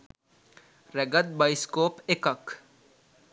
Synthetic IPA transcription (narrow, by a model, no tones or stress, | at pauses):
ɾeɡət̪̚bɐjskoːpekək